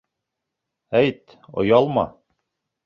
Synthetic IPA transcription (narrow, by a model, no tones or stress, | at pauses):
æjt̪ | ŏ̰jɑlˠmɑ̰